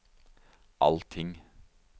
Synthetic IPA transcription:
ʔɑlt̪ʰɪŋ

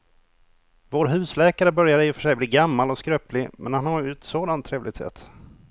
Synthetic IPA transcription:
voːɾɦʉ̟ːslɛːkaɾəbœɾjaɾɛjɵfœʂɛjbliːɡamːalɔskɾøːplɪmɛ̰nhanhɑɾjʉ̟ːt̪soːd̪ant̪ʰːɾeːvlɪɡ̚t̪sɛ̰t̪ː

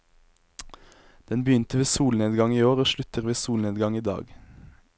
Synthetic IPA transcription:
d̪̥ɛnbəjʏnt̪əʋeːsuːlneːd̪ɡɑŋiːoːʁoːʃlʉt̪əʁʋeːsuːlneːd̪ɡɑŋiːd̪ɑ̰ːɡ

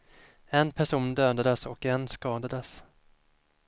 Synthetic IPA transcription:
ɛnpʰæʂuːnd̪øːd̪ad̪əsɔkɛnskɑːd̪ad̪əs

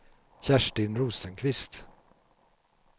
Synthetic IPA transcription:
çæʂʈɪnɾuːsənkʰvɪst̪

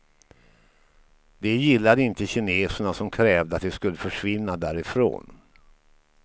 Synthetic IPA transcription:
d̪ɛjɪlːad̪əɪnt̪əɕɪneːsəɳasɔmkʰɾɛːvd̪əat̪̚d̪ɛskɵlːəfœʂvɪnːad̪æːɾɪfɾo̰ːn

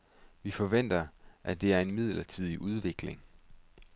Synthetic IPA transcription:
ʋifɒ̽ʋen̰d̥ɐʔæd̥e̝æɐe̝nmið̰ˠlɐt͡sʰið̰ˠiʔuð̞ˠʋe̝ɡ̥le̝ŋ

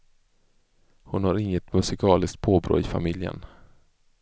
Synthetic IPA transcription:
hʊnhaɾɪŋːət̪mɵsɪkʰɑːlɪsk̚t̪̚pʰoːbɾo̰ːɪfa̰mɪljə̰n

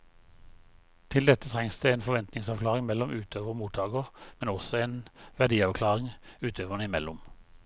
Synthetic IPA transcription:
t̪ʰɪld̪ɛt̪ət̪ʰʁɛŋsd̪eːeːnfɔʋɛnt̪nɪŋsɑʋklɑːʁɪŋmɛlɔmʔʉːt̪ʰøːʋəʁmuːt̪ʰɑːɡəʁmɛnɔsɔeːnʋæd̪iːɑʋkʰlɑːʁɪŋʉːt̪ʰøːʋənəɪmɛlʊm

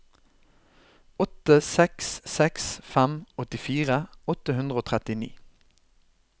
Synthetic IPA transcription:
ɔt̪əsɛkssɛksfæmɔt̪ɪfiːʁəɔt̪əhʉnd̪ʁəoːt̪ʰʁɛt̪ɪnḭː

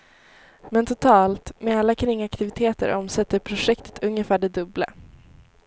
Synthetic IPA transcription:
mɛnt̪ʰʊt̪ʰɑːlt̪mɛalːakʰɾɪŋːakt̪ɪvɪt̪ʰeːt̪ə̰ɾʔɔmsɛt̪ːəɾpʰɾʊʂɛkt̪ə̥t̪ʰɵŋːəfæːɖɛd̪ɵblə̰

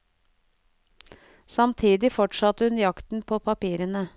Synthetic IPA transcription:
sɑmt̪ʰiːd̪ɪfɔʈʂɑt̪əhʉnjɑkt̪n̩pʰoːpʰɑpiːɾənə

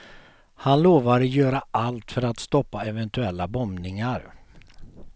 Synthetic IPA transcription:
hanloːvaɾjœːɾaʔalt̪fœɾat̪st̪ɔpːaɛvɛnt̪ɵɛlːabɔmnɪŋaɾ

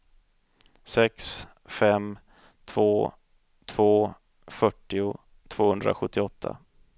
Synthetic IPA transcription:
sɛks | fɛm | t̪ʰvoː | t̪ʰv̥oː | fœʈːɪʊ | t̪ʰv̥oːhɵnd̪ɾa̰ɧɵt̪ʰːɪɔt̪ʰːa̰

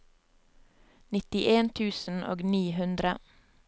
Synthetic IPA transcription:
nɪt̪ɪʔeːnt̪ʰʉːsn̩ʔo̰ːɡniːhʉnd̪ɾə

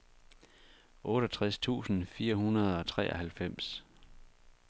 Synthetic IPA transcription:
ʔɔ̽ːɾ̥ɒt͡sʰʁast͡sʰṵːsn̩fiːɐhunɐð̞ˠɒ̽t͡sʰʁɛ̰ːʔɒhælfem̰s

